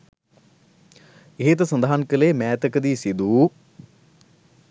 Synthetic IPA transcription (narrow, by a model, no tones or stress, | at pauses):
eɦet̪ɐsɐnd̪aɦankɐleːmɛːt̪ɐkɐd̪isid̪u